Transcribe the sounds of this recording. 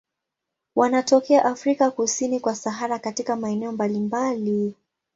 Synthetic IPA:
wanatɔkɛaʔafɾikakusinikwasaɦaɾakatikamaɛnɛɔmbalimbali

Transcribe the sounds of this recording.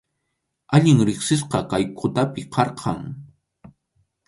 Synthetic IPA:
aʎɪŋɾɪχsɪs̬qɑkajkʰʊt̪apɪqʰɑɾqʰɑ̰ŋ

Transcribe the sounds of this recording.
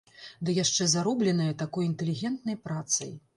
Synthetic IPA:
d̪ɨjaʂt͡ʂɛzaɾɔblʲɛnɐjɐt̪akɔjint̪ɛlʲiɣʲɛnt̪nɐjpɾat̪sɐ̰j

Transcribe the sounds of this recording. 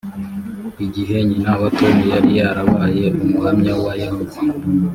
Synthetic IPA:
iɟiɦe̞ɲinaβatomijaɾijaɾaβaje̞ʔumuhamɲawajahuzi

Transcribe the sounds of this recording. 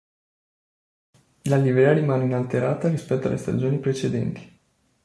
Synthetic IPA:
laliveɾiaɾimaninalt̪eɾat̪əɾispekt̪a̰lʔest̪a̰d͡ʒionipɾet͡ʃed̪ḛnt̪i̥

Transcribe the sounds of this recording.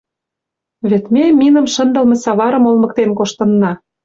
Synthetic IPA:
βet̪memʲinə̆mʃə̆nd̪ɤ̆lmɤ̆sɑβɑɾə̆molmɤ̆k̚t̪enkoʃt̪ɤ̆nːɑ

